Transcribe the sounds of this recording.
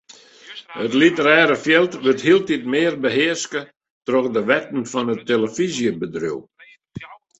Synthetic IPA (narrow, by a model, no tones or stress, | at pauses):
ətlitəɾɛːɾəfjɛlˠtʋəthiəlˠtit̚mɪːrbəɦɪərskə | trɔxdəʋɛtn̩fɔnətːeləfizjəbədrṵw